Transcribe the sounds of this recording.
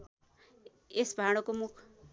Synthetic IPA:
esbʱaɽ̃ʌkomukʰ

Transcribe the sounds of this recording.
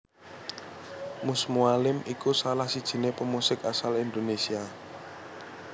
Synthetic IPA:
musmualɪmikusalahsid̥ʒ̥i̤nepəmusɪkasalind̪onesia

